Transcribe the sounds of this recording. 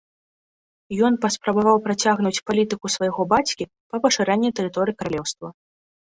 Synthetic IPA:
jɔnpɐspɾɐbavawpɾat͡sʲaɣnut͡sʲpalʲit̪ɨkusvɐjaɣɔbat͡sʲkʲi | pɐpɐʂɨɾanʲːit̪ɛɾɨt̪ɔɾɨjikɐɾalʲɛwst̪vɐ

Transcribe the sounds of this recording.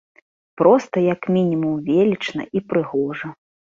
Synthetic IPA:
pɾɔst̪ɐjɐkmʲinʲimumvʲelʲit͡ʂnɐ̰ʔipɾɨɣɔʐɐ

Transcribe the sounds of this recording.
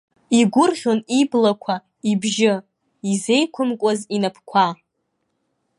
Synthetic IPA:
iɡʷʊrʁʲoniblakʷʰa | ibʒɪ | ize̞jkʷʰʊmkʷʼazinapʰkʷʰa

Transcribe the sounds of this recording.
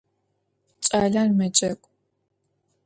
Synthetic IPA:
t͡ʃʼaːɮarmɐt͡ʃʼɐkʷʼ

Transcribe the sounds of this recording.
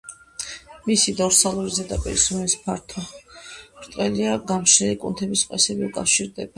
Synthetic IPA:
misid̪ɔɾsalˠuɾizɛd̪apʼḭɾisumɛspʰaɾt̪ʰɔ | ɾt̪ʼqʼɛliaɡamʃɛlikʼunt̪ʰɛbisqʼɛsɛbiukʼafʃiɾd̪ɛba

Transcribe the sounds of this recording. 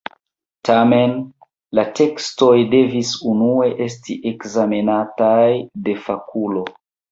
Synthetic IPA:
tʰame̞n | late̞ksto̞jde̞visunue̞ʔe̞stiʔekzamenatajde̞fakʰulo̞

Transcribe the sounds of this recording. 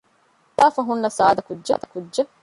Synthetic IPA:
t̪aːfɐɦunːɐsaːd̪ɐkudʒɐd̪ɐkudʒɐ

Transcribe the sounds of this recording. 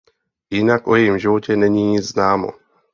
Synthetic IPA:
jɪnakʔojɛjimʒɪvocɛnɛɲiːɲɪd͡zznaːmo̰

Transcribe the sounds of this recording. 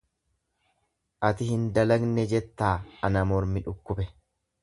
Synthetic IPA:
ʔɐt̪ɪhɪnd̪ɐlɐɡnɛd͡ʒɛt̪ːaːɐnɐmɔɾmɪᶑʊkːʊbɛ

